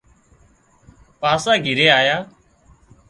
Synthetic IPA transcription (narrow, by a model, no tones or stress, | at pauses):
paːsãːɡʱɪɾeːaːjaː